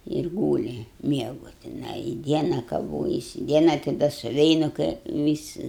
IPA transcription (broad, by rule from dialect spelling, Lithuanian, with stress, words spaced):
ɪr ˈɡuːlʲɪ ˈmʲiɛɡʊ tʲɪˈnɐɪ ɪ ˈdʲiɛnɐ kɐˈʋoːjɛsʲɪ ˈdʲiɛnɐ tɐɪ ˈdɐ sʊˈʋʲɛɪnʊ kɐɪ ˈʋʲɪsʲɪ